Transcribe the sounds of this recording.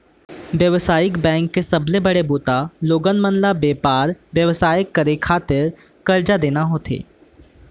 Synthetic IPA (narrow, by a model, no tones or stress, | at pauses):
ʋjəʋsaːjɪkbɛ̃ːŋkːesɐblebəɽeboːt̪aloːɡənmənlabeːpaːɾʋjəʋsaːjɪkːəɾekʰaːt̪ɪɾ | kɐɾd͡ʒad̪eːnaɦoːt̪ʰḛː